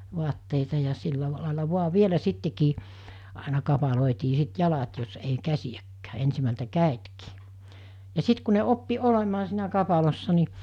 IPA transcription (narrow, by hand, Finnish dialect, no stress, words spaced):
ʋoɑtːeitɑ jɑ silːɑ lɑˑelɑ ʋoɑ ʋielæ sitːekiː ɑˑenɑ kɑpɑloˑetiː sit jɑlɑt jos ei kæsijækːæː ensimæltæ kæˑetkiː jɑ sit ku ne opːi olemɑː siːnæ kɑpɑlosːɑ ni